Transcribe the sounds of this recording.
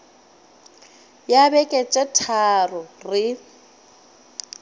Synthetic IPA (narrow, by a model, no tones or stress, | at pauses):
jabɛkʼɛt͡ʃʼɛtʰarʊrɪ